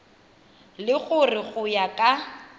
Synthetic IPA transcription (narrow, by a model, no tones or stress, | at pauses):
lɪɣʊrɪɣʊjakʼa